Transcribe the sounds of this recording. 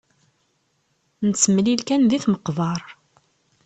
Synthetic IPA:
nət͡sːəmlilkænðiθməqːvɑɾˤ

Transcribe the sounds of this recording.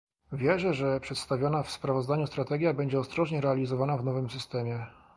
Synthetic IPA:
vʲjɛʐɛʐɛpʂɛt̪st̪avʲjɔnafspɾavɔzd̪aɲust̪ɾat̪ɛɡʲjabɛɲd͡ʑɛɔst̪ɾɔʐɲɛɾɛalʲizɔvanavnɔvɘmsɘst̪ɛmʲjɛ

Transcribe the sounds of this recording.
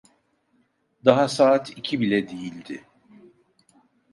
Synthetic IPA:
d̪aɦasaːt̪ʰicʰibilʲɛd̪ejilʲd̪ɪ

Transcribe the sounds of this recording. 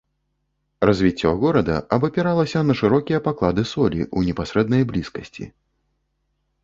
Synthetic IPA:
rɐzʲvʲit͡sʲːɔ̰ɣɔɾɐd̪ɐ̰ɐbɐpʲɛɾalˠɐsʲɐnɐʂɨɾɔkʲijɐpaklˠad̪ɨsɔlʲḭʔunʲɛpasɾɛd̪nɐjblʲiskɐsʲt͡sʲḭ

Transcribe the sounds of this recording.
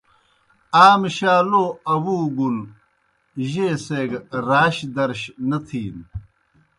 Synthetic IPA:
aːmɕaːloɐwuːɡul | ʑeːseːɡɾaːɕd̪ɐɾɕnɐt̪ʰiːn

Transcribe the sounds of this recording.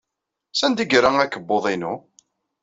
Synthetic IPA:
sænd̪iɡɾaŋækːəbːoðˤinu

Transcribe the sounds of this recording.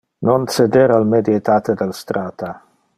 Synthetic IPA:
nonsed̪eɾalmed̪jet̪at̪ed̪elst̪ɾaːt̪a

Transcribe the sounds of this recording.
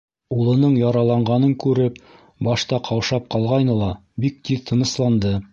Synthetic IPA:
ulˠɤ̆nɤɴjɑɾɑlˠɑɴɢɑnɤŋkʉɾɘp | bɑʃt̪ɑqʰɑwʃɑp̚qɑlˠʁɑjnɤlˠɑbik̚t̪iðt̪ʰɤ̆nɤ̆slˠɑnd̪ɤ

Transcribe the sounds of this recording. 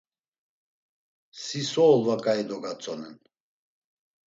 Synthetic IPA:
sisɔːlˠvakʼaid̪ɔɡat͡sʼɔnɛn

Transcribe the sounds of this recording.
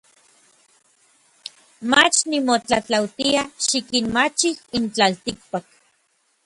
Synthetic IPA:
mat͡ʃnimot͡ɬat͡ɬawt̪iaʃikinmat͡ʃihint͡ɬalt̪ik̚pak

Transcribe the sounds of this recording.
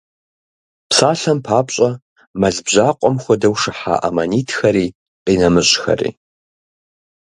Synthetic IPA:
psaːɬɐmpʰaːpʼɕʼɐ | mɐzbʑaːqʷʼɔmxʷɔdɐwʂɨħa̰ːʔɐmɐniːtʰxɐɾiː | qinɐmɨɕʼxɐ̰rḭː

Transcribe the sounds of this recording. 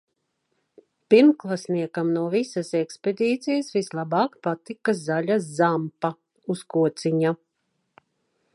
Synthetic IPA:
piɾmklˠasniɛkamnuɔvisasɛksped̪ʲiːt̪sijasvislˠabɑːkpat̪ikazaʎʲazzampa | uskuɔt̪siɲa

